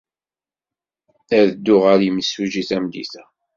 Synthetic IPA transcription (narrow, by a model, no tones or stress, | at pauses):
æðəd̪ːʊʁəɾjəməsuʒiθæmd̪ḭθæ